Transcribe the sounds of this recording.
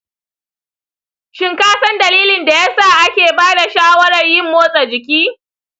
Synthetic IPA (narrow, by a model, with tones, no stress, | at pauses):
ʃɪ˦ŋkaː˦sɐ˦ndɐ˨liː˦lɪ˨nda˨jaː˦saː˦˨ʔa˦kʲeː˨baː˦da˨ʃaː˦wɐ˦ɽɐ˨rjɪ˦mːoː˦sʼa˨d͡ʒɪ˨kʲiː˦